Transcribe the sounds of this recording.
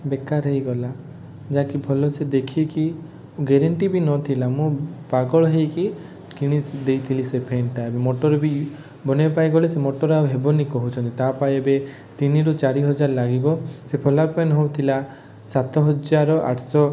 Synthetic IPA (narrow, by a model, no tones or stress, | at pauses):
bekaɾɦejɡɔla | d͡ʒakibʰʱɔlɔsed̪ekʰieki | uɡeɾeɳʈibinɔt̪ʰilamũpaɡɔɭɔɦejki | kiɽ̃id̪ejt̪ʰilisepʰenʈaebemoʈɔɾɔbi | bɔnepajɡɔlesemɔʈɔɾauɦebɔnikɔɦut͡ʃʰɔnt̪it̪apajebe | t̪iniɾut͡ʃaɾiɦɔd͡ʒaɾɔlaɡibɔsepʰɔlaɾpenɦowt̪ʰila | sat̪ʰɔɦɔd͡ʒaɾɔʔa̰ʈʰsɔ